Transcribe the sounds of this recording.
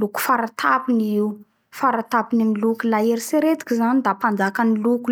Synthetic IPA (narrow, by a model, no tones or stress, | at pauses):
luku̥faɾat̪ʰapiniu | faɾat̪apinimilukulaeɾiseɾet̪i̥kʲizanid̪apand͡zakaniluku